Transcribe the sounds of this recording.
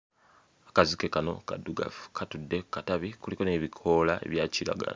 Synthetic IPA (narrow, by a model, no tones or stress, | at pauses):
akazike̞kano̞̰kaduɡa̰fu̥kʰatudːe̞kataβikuliko̞neβikʰo̞lae̞̰βjaːcila̰ɡa̰la